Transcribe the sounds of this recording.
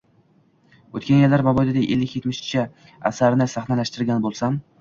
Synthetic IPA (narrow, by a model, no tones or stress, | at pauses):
ot̪kʲanjelːaɾbabɒjd̪ad̪aʔelːɪkʲjet̪mɪʃt͡ʃʰɪ | a̰saɾnɪsaχnalaʃt̪ɪɾɡʲanbolˠsam